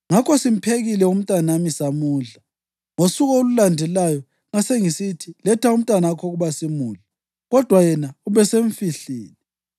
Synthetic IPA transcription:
ŋakʰɔsim̩pʰeɣilɛum̩tʼanamisamuːɮa | ŋosuɣɔolulandʱɛlajɔ | ŋaseŋisitʰilɛtʰaum̩tʼwanakʰɔɣuβasimuːɮa | ɣɔd̥ʱwajɛnauβɛseɱfiɬiːlɛ

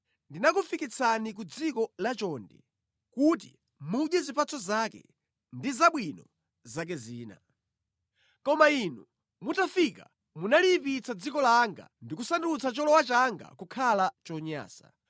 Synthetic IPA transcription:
ndinakufikit͡sʰanik̬ud͡zikɔlat͡ʃɔndɛ̰ | kut̬ḭ | muɗjɛzipat͡sɔzakɛ̰ | ndizaɓwinɔ | zak̬ɛziːna̰ | kɔmainu | mutafika | munalipit͡sʰad͡zikɔlaŋɡa̰ndikusandut͡sʰat͡ʃɔlɔwat͡ʃaŋɡa̰kukʰalat͡ʃɔɲa̰ːsa̰

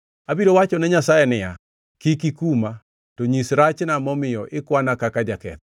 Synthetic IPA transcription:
abiɾowat͡ʃɔnɛɲasajɛnɪja | kikikuma | tɔɲisɾat͡ʃnamɔmɪjɔʔɪkwanakakad͡ʒakɛ̰t̪

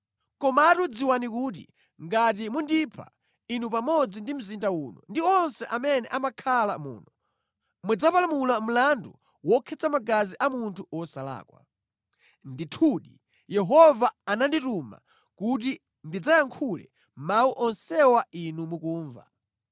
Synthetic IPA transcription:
kɔmaːtud͡ziwanikuːt̬ḭ | ŋɡat̬imundipʰa̰ | inup̬amɔd͡zindim̩zindauːnɔ̰ndiɔnsɛʔamɛnɛʔamakʰalamṵːnɔ | mud͡zapalamulam̩landu | wɔkʰɛt͡samaɡaziʔamuntʰuɔsala̰ːkwa̰ | nditʰuːɗi | jɛɦɔvaːnandituma̰ | kuti | ndid͡zajaŋkʰulɛ̰ | mauʔɔnsɛwainumukuːɱva̰

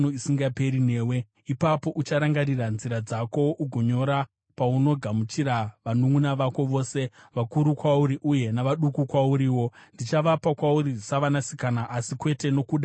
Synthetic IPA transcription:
noisiŋɡape̞ɾine̞ːwe̞ | ipapo̞ʔut͡ʃaɾaŋɡaɾiranziɾad͡zako̞ʔuɡʱoɲo̞ɾa | pauno̞ɡʱamut͡ʃiɾaʋanuŋunaʋako̞ʋo̞ːse̞ʋakuɾukwauɾiʔuje̞naʋaɗukukwauɾiːwo̞ndit͡ʃaʋapakwauɾisaʋanasi̥kanaʔasikwe̞teno̞kuːɗa

